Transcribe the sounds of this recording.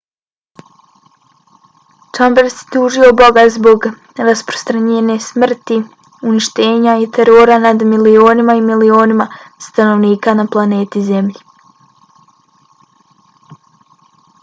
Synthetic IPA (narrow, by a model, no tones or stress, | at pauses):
t͡ʃambeɾsjet̪uːʒio̞bo̞ɡazbo̞ɡ | ɾaspɾost̪ɾaɲeːne̞smr̩t̪i | uniʃt̪e̞ːɲait̪ʰeɾo̞ːɾanad̪milio̞ːnimaimilio̞ːnimast̪ano̞ʋniːkanaplˠane̞ːt̪ize̞mʎi